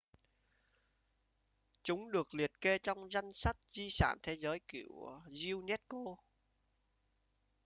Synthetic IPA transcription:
t͡ɕʊ˨˦ŋ͡mɗɨ˨˩ək̚li˨˩ət̚ke˧t͡ɕɔ˧wŋ͡mza˧jŋsa˦˥t̚zi˧sa̰ː˧˩˨nt̪ʰe˨˦zəː˨˦jkḭ˧˩ə˨wzi˧wnɛ˦˥t̚ko˧

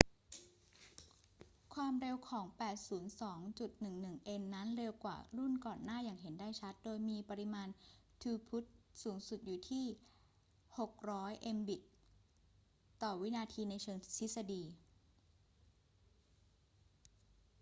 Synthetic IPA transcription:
kʰwaː˧mɾe˧wkʰɔː˩˦ŋpɛː˨˩t̪̚suː˩˦nsɔː˩˦ŋt͡ɕu˨˩t̪̚nɯ˨˩ŋnɯ˨˩ŋʔe˧nːa˦˥nɾe˧wkwa̰ː˨˩ɾu˥˩nkɔː˨˩nːaː˥˩jaː˨˩ŋɦe˩˦ndaː˥˩jt͡ɕʰa˦˥t̪̚doː˧jmiː˧pa˧ɾi˧˥maː˧nt̪ʰuː˧pʰu˦˥t̪̚suː˩˦ŋsu˨˩t̪̚juː˨˩t̪ʰiː˥˩ | ho˨˩k̚ɾɔː˦˥jʔe˧mbi˨˩t̪̚ | t̪ːɔː˨˩wi˦˥naː˧t̪ʰiː˧na˧jt͡ɕʰɤː˧ŋt̪ʰi˦˥sa˧diː˧

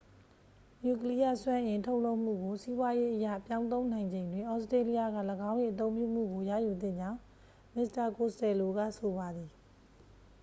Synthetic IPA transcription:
ɲu˨k̬əli˦ja̰˦˨swã˦ʔɪ̃˨ntʰo˦ʊʔlo˦ʊʔm̥ṵ˦˨ɡo˨si˦bwa˦je˦ʔəjä̰˦˨pjã˦ʊ̃nt̪õ˦ʊ̃n̥ã˨ɪ̃ɲd͡ʑẽ˨ɪ̃ndwɪ̃˨ʔɔ˦ʊstɹe˦li˦ja˦˨ɡa̰˦˨ləɡã˦ʊ̃ni˨ʔət̪̬õ˦ʊ̃mpjṵ˦˨m̥ṵ˦˨ɡo˨jä̰˦˨ju˨d̪ɪ̰̃˦˨ɲd͡ʑã˦ʊ̃ | mɪ˨sta˨ko˨stɛ˨lo˨ɡa̰˦˨sʰo˨βa˨d̪i˨

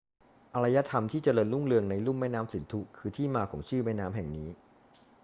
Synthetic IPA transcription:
ʔa˧ɾa˧ja˦˥t̪ʰa˧mt̪ʰiː˥˩t͡ɕa˧lɤː˧nlu˥˩ŋlɯ˧əŋna˧jlu˥˩mɛː˥˩naː˦˥msi˨˩˦nt̪ʰu˦˥kʰɯː˧t̪ʰiː˥˩maː˧kʰɔ̰ː˩˦ŋt͡ɕʰɯː˥˩maː˥˩naː˦˥mɦɛ˨˩ŋniː˦˥

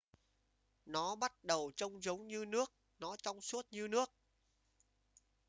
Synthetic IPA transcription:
nɔ˨˦ɓa˦˥t̚ɗə˨˩wt͡ɕə˧wŋ͡mzə˨˦wŋ͡mɲɨ˧nɨ˦˥ək̚ | nɔ˨˦t͡ɕɔ˧wŋ͡msu˦˥ət̚ɲɨ˧nɨ˦˥ək̚

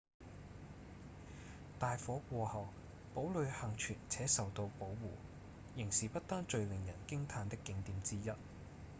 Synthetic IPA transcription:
t̪aː˨jfɔː˨˥kʷɔː˧hɐ˨˩w | po˨˥wlɵ˨˧ɥhɐ˨ŋt͡ʃʰyː˨˩nt͡sʰɛː˨˥sɐ˨wt̪o˧wpo˨˥wːuː˨˩ | jɪ˨˩ŋsiː˨˩pɐ˥t̚t̪aː˥nt͡ʃɵ˧ɥlɪ˨ŋjɐ˨˩nkɪ˥ŋt̪ʰaː˨˧nt̪ɪ˥kːɪ˨˧ŋt̪iː˨˥mt͡siː˥jɐ˥t̚

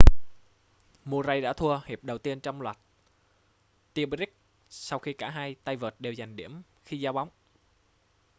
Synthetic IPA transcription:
mu˧˩əza˧jɗa̰ː˧˥t̪ʰu˧əhi˨˩p̚ɗə˨˩wt̪i˧ənt͡ɕɔ˧wŋ͡mlwa˨˩jt̚ | t̪i˧ɓɾi˦˥k̚ | sa˧wxi˧kaː˧˩ɦaː˧jt̪a˧jvəː˨˩t̚ɗe˨˩wza˨˩jŋ̟ɗḭ˧˩əm | xi˧zaː˧wɓa˨˦wŋ͡m

